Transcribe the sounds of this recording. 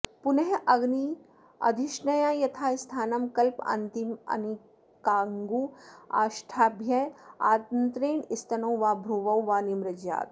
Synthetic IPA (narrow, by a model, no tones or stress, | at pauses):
pʊnɐɦʔɐɡni | ɐ̰d̪ʱɪʃnɐjãːjɐt̪ʰaːst̪ʰaːnɐmkɐlpɐ̰nt̪imɐ̰ni | kaːŋɡua̰ːʃʈʰaːbʱjɐja̰ːt̪nt̪ɾeːɳɪst̪ɐnowʋaːbʱɾuːʋɐwʋaːnimɾɐd͡ʒja̰ːt̪